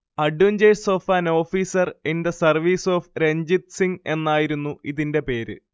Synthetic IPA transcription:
ɐɖjuɲd͡ʑeɖso̞ːfaːno̞ːfiːsɐrindesɐrʋiːso̞ːfɾe̞ɲd͡ʑit̪siŋe̞nːaːjiɾunːuʔiðinde̞pe̞ːɾɨ̰

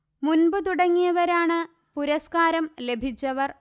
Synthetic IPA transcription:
munbɨt̪uɽɐŋːijɐʋɐɾaːɳɨ | puɾɐskaːɾɐmle̞bʱit͡ɕːɐʋɐr

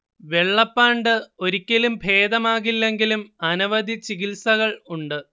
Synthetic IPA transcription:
ʋe̞ɭːɐpːaːɳɖɨo̞ɾikʲːɐlumbʱe̞ːd̪ɐmaːɣilːe̞ŋɡilumɐnɐʋɐd̪it͡ɕiɣilsɐɣɐɭuɳɖɨ

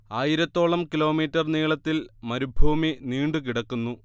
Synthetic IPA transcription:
aːjiɾɐt̪ːo̞ːɭɐmkilo̞ːmiːtːɐrniːɭɐt̪ːilmɐɾubʱuːminiːɳɖukiɽɐkːunːu

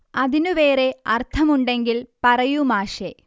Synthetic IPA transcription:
ɐðinuʋe̞ːre̞ɐrt̪ʰɐmuɳɖe̞ŋɡilpɐrɐjumaːʂe

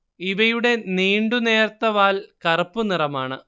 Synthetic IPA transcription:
iʋɐjuɽe̞niːɳɖune̞ːrt̪ːɐʋaːlkɐrɐpːunirɐmaːɳɨ

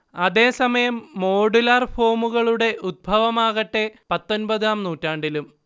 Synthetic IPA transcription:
ɐðe̞ːsɐmɐjɐmːo̞ːɖulɐrfo̞ːmuɣɐɭuɽe̞ʔud̪̚bʱɐʋɐmaːɣɐʈːe̞pɐt̪ːo̞nbɐðaːmnuːtːaːɳɖilum

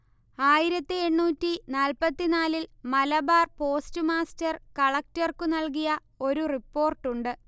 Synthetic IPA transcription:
aːjiɾɐt̪ːɨe̞ɳːuːtːinaːlpɐt̪ːinaːlilmɐlɐbaːrpo̞ːstɨmaːstɐrkɐɭɐk̚tɐrkunɐlkijɐ | o̞ɾuripːo̞ːrʈːuɳɖɨ

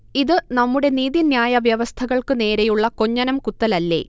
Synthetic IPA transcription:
iðɨnɐmːuɽe̞niːðinjaːjɐʋjɐʋɐst̪ʰɐɣɐɭkɨne̞ːɾejuɭːɐko̞ɲːɐnɐmkut̪ːɐlɐlːe̞̰ː

